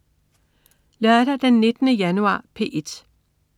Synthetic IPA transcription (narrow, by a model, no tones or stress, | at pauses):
læd̥æd̥enːe̝d̥nəjænuɑ̰̈ːpʰe̝̰ːʔe̝d̥